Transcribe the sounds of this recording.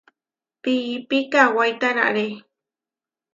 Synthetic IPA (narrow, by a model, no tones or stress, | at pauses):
piːpikawajt̪ana̰ʔɾe